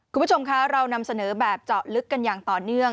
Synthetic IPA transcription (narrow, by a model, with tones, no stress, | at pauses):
kʰu˧bt͡ɕʰo˧mkʰa˦˥ɾa˧wna˧msa˧nɤː˩˦bɛː˨˩p̚t͡ɕɔː˨˩t̚lɯ˦˥kːa˧njaː˨˩ŋt̪ɔː˨˩nɯ˥˩əŋ